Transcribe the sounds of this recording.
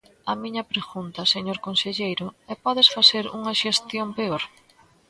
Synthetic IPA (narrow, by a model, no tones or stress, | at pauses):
ɐmĩɲɐpɾeɣunt̪ɐseɲoɾkonseʎejɾʊɛpɔðesfaθeɾṵŋɐʃest̪jompeoɾ